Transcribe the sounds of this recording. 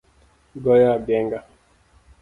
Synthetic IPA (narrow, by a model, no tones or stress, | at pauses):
ɡɔjaɡɛŋɡa